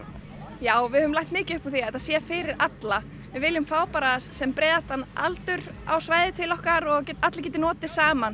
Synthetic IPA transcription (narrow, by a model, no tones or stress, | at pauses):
jaːwvɪhœːvʏmlajht̪mɪːcɪʏhpaθiaɛt̪θasjɛfɪːɾɪɾat̪la | vɪvɪːlɪmfaːwpaɾaðasːɛmpɾɛːðast̪hanːa̰lt̪ʏɾa̰wsvaːjðɪt̪ʰɪlɔhkaɾɔɣat̪lac̬ɛːt̪̬ɪnɔːt̪ɪsaːman